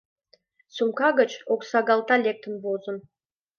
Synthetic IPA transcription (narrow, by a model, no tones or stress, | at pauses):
sumkɑɡət͡ɕoksɑɡɑlˠt̪ɑlʲek̚t̪ənbozə̆n